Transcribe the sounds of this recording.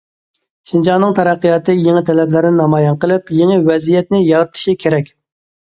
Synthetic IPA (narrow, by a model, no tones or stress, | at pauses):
ʃind͡ʒɑnnːɨŋt̪ʰɑɾæqːəjɑt̪ɨjeŋɪt̪ʰɛlɛblɪɾɪnɪnɑmɑːjɑnqəlˠɨpjeŋɨwɛzijɛt̪nɪjɑɾɨt̪ʰɨ̥ʃikʲʰeɾɛkʲ